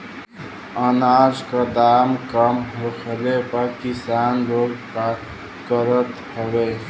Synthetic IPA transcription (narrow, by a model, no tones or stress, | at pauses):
ənaːzkad̪aːmkəmɦokʰəlepakɪsaːnɾoːɡka | kəɾət̪həʋe